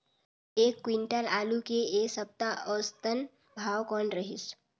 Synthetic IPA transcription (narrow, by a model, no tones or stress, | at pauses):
eːkːwɪ̃ɳʈəlaːlukeeːsəp̚t̪aʔɔːst̪ən | bʱaːwkɔːnɾəɦɪs